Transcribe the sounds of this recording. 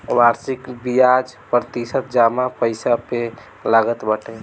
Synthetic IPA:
ʋaɾsikbijad͡ʒpɾət̪isət̪̚d͡ʒamapəɪsape | laɡət̪bəʈʰɛ

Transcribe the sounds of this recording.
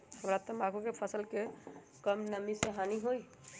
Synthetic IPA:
həmɾat̪ɔmakʰukepʰəsəlke | kəmnəmiseɦaniɦoj

